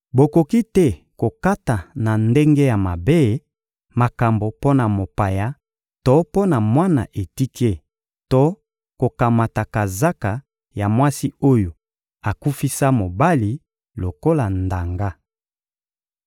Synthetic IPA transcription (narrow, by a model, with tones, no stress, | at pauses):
bo˨ko˨ki˦tɛ˦ | ko˨ka˦ta˨na˨nde˦ŋɡe˦ja˨ma˨be˦ | ma˨ka˨mbo˨po˦na˨mo˨pa˨ja˦ | to˦po˦na˨mwa˦na̰˨ʔe˨ti˦ke˦ | to˦ | ko˨ka˨ma˨ta˨ka˨za˦ka˨ | ja˨mwa˦si˦o˦jo˨ | a˨ku˦fi˦sa˦mo˨ba˦li˨ | lo˨ko˦la˨nda˨ŋɡa˦